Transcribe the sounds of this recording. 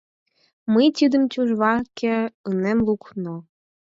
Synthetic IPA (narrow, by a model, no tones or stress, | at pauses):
məjt̪ʲid̪əmt͡ɕuʒβɑkeənemlukno